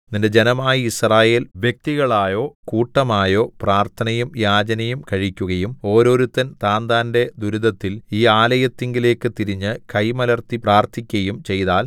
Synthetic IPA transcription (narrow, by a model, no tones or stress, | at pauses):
ninde̞d͡ʑe̞nɐmaːjiisraːje̞ːlʋjek̚t̪iɣɐɭaːjo̞ːkuːʈːɐmaːjo̞ːpraːrt̪ʰɐnɐjumjaːd͡ʑɐnɐjumkɐɻikʲːuɣɐjumo̞ːɾo̞ːɾut̪ːɐnt̪aːnd̪aːnde̞d̪uɾuðɐt̪ːiliːaːlɐjɐt̪ːeŋɡile̞ːkːɨt̪iɾiɲːɨkɐjmɐlɐrt̪ipraːrt̪ʰikʲːɐjumt͡ɕe̞jðaːl